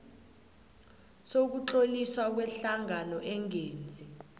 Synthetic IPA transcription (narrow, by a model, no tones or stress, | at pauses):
sok̬ut͡ɬoliswak̬wɛɬaŋanɔʔɛŋeːnd͡zʱi